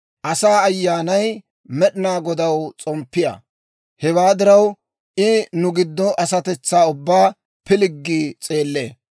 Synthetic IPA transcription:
ʔɐsaːɐjːaːnɐj | mɛɗɪnaːɡɔd̪ɐwt͡sʼɔmpːɪjɐ̰ | hɛwaːd̪ɪɾɐw | ʔɪnʊɡɪd̪ːɔʔɐsɐt̪ɛt͡sːaːʊbːaː | pɪlɪɡːiːt͡sʼe̞ːlːe̞̰ː

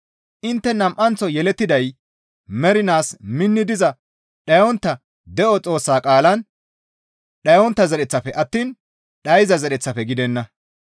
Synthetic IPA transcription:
ʔɪnt̪ːɛnɐmʔɐnt͡sɔjɛlɛt̪ːɪd̪ɐj | mɛɾɪnaːsmɪnːɪd̪ɪzɐ | ɗɐjɔnt̪ːɐ | d̪ɛʔɔt͡sʼo̞ːsːaːkʼaːlɐn | ɗɐjɔnt̪ːɐzɛɗɛt͡sːɐfɛʔɐt̪ːiːn | ɗɐjzɐzɛɗɛt͡sːɐfɛɡɪd̪ɛnːɐ

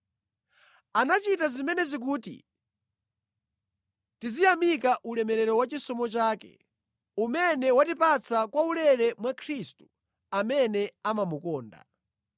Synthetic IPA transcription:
anat͡ʃitazimɛnɛzik̬uːtḭ | tizijamikaʔulɛmɛɾɛɾɔwat͡ʃisɔmɔt͡ʃaːkɛ̰ | umɛnɛwatipat͡sʰakwaulɛɾɛmwakʰɾistu̥ | amɛnɛamamukɔːnda̰

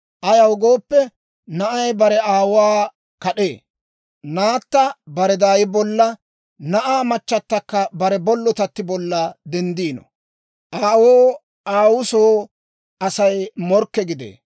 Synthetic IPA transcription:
ʔɐjɐwɡo̞ːpːɛ | nɐʔɐjbɐɾɛaːwwaː | kɐɗe̞ː | naːt̪ːɐbɐɾɛd̪aːjɪbɔlːɐ | nɐʔaːmɐt͡ʃːɐt̪ːɐkːɐbɐɾɛbɔlːɔt̪ɐt̪ːɪbɔlːɐd̪ɛnd̪iːnɔ̰ | ʔaːwoː | aːwʊsoː | ʔɐsɐjmɔɾkːɛɡɪd̪ḛː

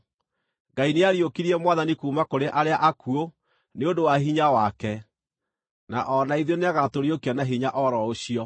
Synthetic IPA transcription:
ŋɡaineaɾjokiɾiɛmwaðanikuːmakoɾeʔaɾeaʔakuo | neondowaɦiɲawakɛ | naʔɔnaiðoneaɣatoɾiokianaɦiɲaʔɔɾɔoɕiɔ

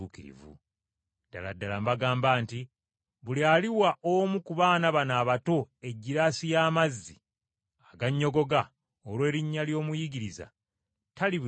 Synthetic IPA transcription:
ukiɾḭvṵ | d̥a̰ladːalambaɡaːmbaːnti | βulialiwaʔomukuβaːnaβanaːβatoe̞ɟːiɾasijaːmazːi | aɡaɲːo̞ɡo̞ɡa | olwe̞ːɾiɲːaljo̞ːmujiɡiɾiza̰ | tali

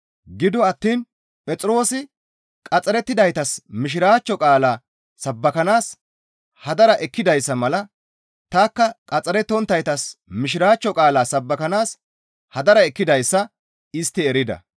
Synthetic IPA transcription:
ɡɪd̪ɔɐt̪ːiːn | pʼɛt͡sʼɪɾo̞ːsɪ | kʼɐt͡sʼːɐɾɛt̪ːɪd̪ɐjt̪ɐsmɪʃ̬ɪɾaːt͡ʃːɔkʼaːlaː | sɐbːɐkɐnaːs | hɐd̪ɐɾɐʔɛkːɪd̪ɐjsːɐmɐlɐ | t̪aːkːɐkʼɐt͡sʼɐɾɛt̪ːɔnt̪ːɐjt̪ɐsmɪʃ̬ɪɾaːt͡ʃːɔkʼaːlaːsɐbːɐkɐnaːs | hɐd̪ɐɾɐɛkːɪd̪ɐjsːɐ | ɪst̪ːɪɛɾɪd̪ɐ̰

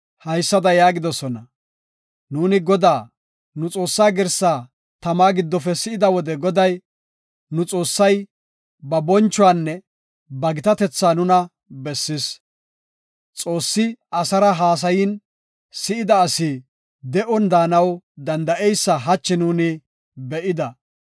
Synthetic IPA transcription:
hɐjsːɐd̪ɐjaːɡɪd̪ɔsɔnɐ | nuːnɪɡɔd̪aː | nʊt͡sʼo̞ːsːaːɡɛɾsːaː | t̪ɐmaːɡɪd̪ːɔfɛsɪɪd̪ɐwɔd̪ɛɡɔd̪ɐj | nʊt͡sʼo̞ːsːɐj | bɐbɔnt͡ʃːʊwaːnːɛ | bɐɡɪt̪ɐt̪ɛt͡sːaːnʊnɐ | bɛsːɪs | t͡sʼo̞ːsːɪɐsɐɾɐɦaːs̬ɐjɪn | sɪɪd̪ɐːsɪ | d̪ɛʔɔnd̪aːnɐwd̪ɐnd̪ɐʔɛjsːɐɦɐt͡ʃːɪnuːnɪ | bɛʔɪd̪ɐ

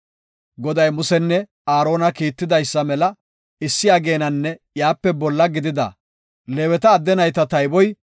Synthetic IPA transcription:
ɡɔd̪ɐjmʊsɛnːɛ | aːɾo̞ːnɐkiːt̪ːɪd̪ɐjsːɐmɛlɐ | ɪsːɪjaːɡe̞ːnɐnːɛjaːpːɛbɔlːɐɡɪd̪ɪd̪ɐ̰ | leːwɛt̪ɐːd̪ːɛnɐjt̪ɐt̪ɐjbɔj

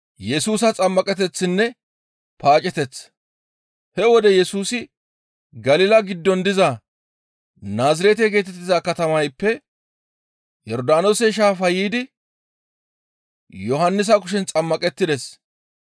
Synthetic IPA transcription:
jɛsuːsɐt͡sʼɐmːɐkʼɛt̪̬ɛt͡sːɪnːɛ | paːt͡ʃʼɛt̪ɛt͡sː | hɛwɔd̪ɛjɛsuːsɪ | ɡɐlɪːlɐɡɪd̪ːɔnd̪ɪzɐ | naːzɪɾet̪̬ɛɡeːt̪̬ɛt̪ːɪzakɐt̪ɐmɐjpːɛ | jɔɾd̪aːnosɛʃ̬aːfɐjiːd̪ɪ | jɔɦɐnːɪs̬ɐkʊʃ̬ɛnt͡sʼɐmːɐkʼɛt̪ːɪd̪ɛs

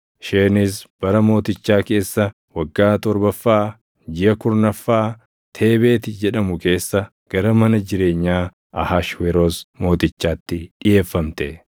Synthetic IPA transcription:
ʃeːnɪs̬b̥ɐɾɐmo̞ːt̪ɪt͡ʃːaːke̞ːsːɐ | wɐɡːaːt̪ɔɾbɐfːaː | d͡ʒɪjɐkʊɾnɐfːaː | t̪ʰe̞ːbe̞ːt̪ɪd͡ʒɛᶑɐmʊke̞ːsːɐ | ɡ̥ɐɾɐmɐnɐd͡ʒɪɾe̞ːɲːaː | ɐhaʃweɾoːsmo̞ːt̪ɪt͡ʃːaːt̪ːɪᶑɪjeːfːɐmt̪ɛ

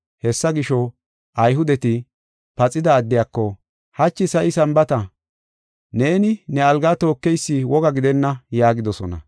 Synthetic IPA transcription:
hɛsːɐɡɪʃɔ | ʔɐjɦʊd̪ɛt̪ɪ | pɐt͡sʼːɪd̪ɐːd̪ːɪjaːkːɔ | hɐt͡ʃːɪsɐjɪsɐmbɐt̪ɐ | ne̞ːnɪnɛɐlɡat̪o̞ːkːɛjsːɪwɔɡɐɡɪd̪ɛnːɐjaːɡɪd̪ɔsɔnɐ̰

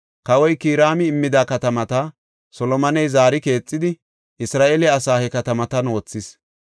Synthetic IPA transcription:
kɐwɔjkiːɾaːmɪːmːɪd̪aːkɐt̪ɐmɐt̪ɐ | sɔlɔmɐnɛjzaːɾɪke̞ːt͡sʼːɪd̪ɪ | ʔɪsɾaːʔelɛɐsaːhɛkɐt̪ɐmɐt̪ɐnwɔːt͡sːɪs

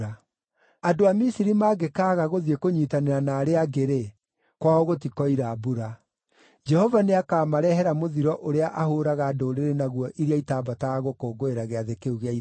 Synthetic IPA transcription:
a | adoamisiɾimaːɡekaːɣaɣoðiekoɲiːtaneɾanaːɾeaɡeɾe | kwaɔɣotikɔiɾabuɾa | d͡ʒɛhɔvaneakaːmaɾɛɦɛɾamoðiɾɔʔoɾeaʔahoːɾaɣaːdoːɾeɾenaɣwɔʔiɾeaitaːbataaɣokoːɡoeɾaɣeaðekeuɣeai

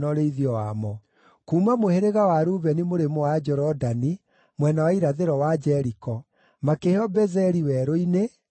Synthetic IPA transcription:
nɔɾeiðiɔwamɔ | kuːmamoheɾeɣawaɾuːβɛnimoɾemowad͡ʒɔɾɔdani | mwɛnawaiɾaðeɾɔwad͡ʒɛɾikɔ | makehɔbɛzɛɾiwɛɾoine

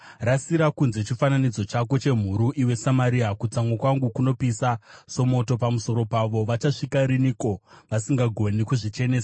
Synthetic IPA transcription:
rasiɾakunze̞t͡ʃifananid͡zo̞t͡ʃako̞t͡ʃe̞m̤uɾuʔiwe̞samaɾiakut͡samwekwaŋɡukuno̞pisaso̞mo̞to̞pamuso̞ɾo̞paʋo̞ʋat͡ʃaʂikaɾiniko̞ʋasiŋɡaɡʱo̞nikuʐit͡ʃe̞ne̞ːsa

